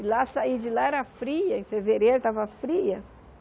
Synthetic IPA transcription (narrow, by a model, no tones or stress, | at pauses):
lasaid͡ʒɪlaɛɾɐfɾiɐẽfeveɾejɾʊt̪avɐfɾiɐ